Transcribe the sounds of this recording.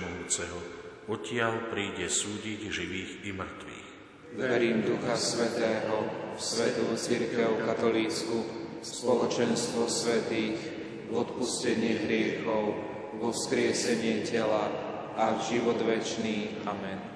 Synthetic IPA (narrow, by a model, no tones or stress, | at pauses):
mɔjuːt͡sɛɦɔɔcɪalpɾiːɟɛsuːɟiɟʒiʋiːɣimr̩t̪ʋḭːx | ɛɾiːmd̪uxasʋɛt̪ɛːɦɔsʋɛt̪ut͡siɾkɛʊkat̪ɔliːt͡skuspɔlɔt͡ʃɛnst̪ʋɔsʋɛt̪iːx | ɔt̪puscɛɲɪɛɦɾɪɛxɔʊ | ʋɔfskɾɪɛsɛɲɪɛcɛla | aʒiʋɔd̪ʋɛt͡ʃniː | amɛn